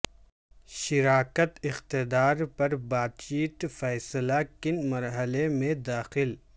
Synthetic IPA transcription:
ʃɪɾaːkət̪ɪxt̪ɪd̪aːɾpɐɾbaːd̪t͡ʃiːt̪fɛːsəlakɪnmɐɾɦəlemẽd̪aːxɪl

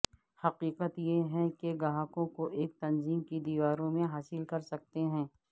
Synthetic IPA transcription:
hɐqiːqət̪jeɦɛ̃keɡɐɦãːkõkoʔeːk̚t̪ɐnziːmkid̪iːʋaːɾõmẽɦaːsɪlkɐɾsɐk̚t̪eɦɛ̃ː

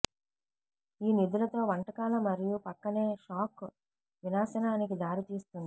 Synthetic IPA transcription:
iːnid̪ulɐt̪o̞ːʋɐɳʈɐkaːlɐmɐɾijupɐkːɐne̞ːʃaːk | ʋinaːsɐnaːnikid̪aːɾit̪iːst̪und̪i

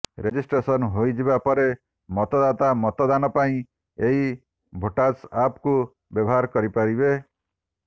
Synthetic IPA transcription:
ɾed͡ʒisʈɾesɔnɦojd͡ʒibapɔɾe | mɔt̪ɔd̪at̪amɔt̪ɔd̪anɔpaĩ | eɦi | bʱoʈasapku | bjɔbɔɦaɾkɔɾipaɾibe

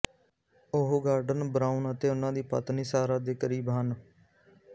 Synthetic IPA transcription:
ʊɦoɡaːɾɖənbɾaːʊnət̪eːʊnãːd̪iːpə̰t̪niːsaːɾaːd̪eːkəɾiːbɦən

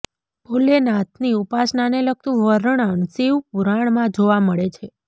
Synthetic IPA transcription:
bʱolenãt̪ʰniupasnaneləɡ̚t̪ũʋəɾəɳəɳsiwpuɾaɳmãd͡ʒoʋaməɭet͡ʃʰe

